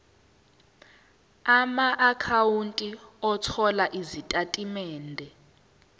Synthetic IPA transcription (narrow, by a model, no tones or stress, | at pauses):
amaʔakʰawuntʼiɔtʰɔlaʔizitʼatʼimɛːndʱɛ